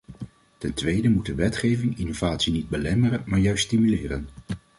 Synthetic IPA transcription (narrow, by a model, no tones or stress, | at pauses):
tɛntʋejdəmutdəʋɛtχejvɪŋɪnovaːtsinid̚bəlɛmərənmaːɹjœɥststimylɪːrə̰n